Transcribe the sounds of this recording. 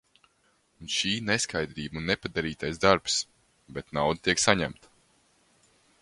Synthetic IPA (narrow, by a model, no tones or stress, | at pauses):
unʃiːneskajd̪ɾiːbunːepad̪aɾiːt̪ajzd̪aɾps | bɛt̪nawd̪at̪iɛksaɲæ̰mt̪